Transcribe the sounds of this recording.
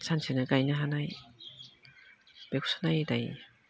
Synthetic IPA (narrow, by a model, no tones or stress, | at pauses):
sansʰɯnɯɡajnɯɦanaj | b̥eku̥sanajdaj